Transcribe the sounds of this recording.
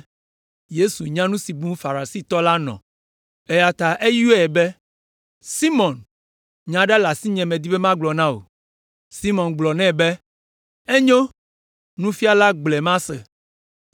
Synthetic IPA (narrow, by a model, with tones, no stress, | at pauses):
je˦su˨ɲã˦nũ˦si˨bũ˦fa˨ɾa˨si˦˨t̪ɔ˦la˦nɔ̰̃˨ | e˦ja˨t̪a˨ʔe˦ju˦ɛ˦˨bɛ˦ | si˦mɔ̃˨n | ɲã˨ɖa˦la˨si˦ɲɛ̃˨mɛ̃˨d̪i˦bɛ˦mã˦ɡ͡blɔ˨nã˦o̰˨ | si˦mɔ̃˨nɡ͡blɔ˨nɛ̃˦bɛ˦ | ɛ˦ɲõ˦ | nũ˦fi˦a˦la˦ɡ͡blɛ˨mã˦sɛ̰˨